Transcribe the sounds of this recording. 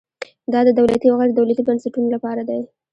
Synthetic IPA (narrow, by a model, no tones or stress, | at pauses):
d̪ɑd̪əd̪awlat̪iawɣajɾd̪awlat̪ibənsaʈunolapɑɾad̪aj